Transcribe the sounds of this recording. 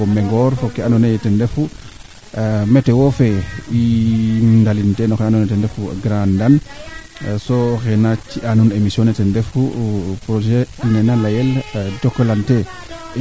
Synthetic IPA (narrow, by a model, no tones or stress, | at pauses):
ɔmɛŋɡɔɾfɔkɛanɔnetɛndɛfu | mɛtɛwofei | ndalintenɔkɛanɔnɛtɛndɛfṵɡɾandan | sɔxɛnat͡ʃiʔanunemisiɔnɛtɛndɛfupɾod͡ʒɛinɛnalajɛldɔkːɔlante